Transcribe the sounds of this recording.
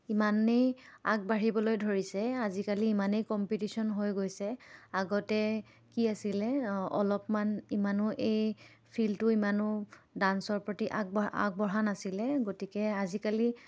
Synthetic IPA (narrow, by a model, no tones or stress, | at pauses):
imaneja̰k̚baɹibɔlojdʱoɹisɛazikaliːmanejkɔmpitisɔnɦojɡojsɛaɡɔtɛ | kiasilɛɔlɔpmanimanʊʔej | pʰiltʊimanʊdansɔɹpɹotiʔa̰k̚ba̰k̚bɔɹanasilɛɡotikɛazikali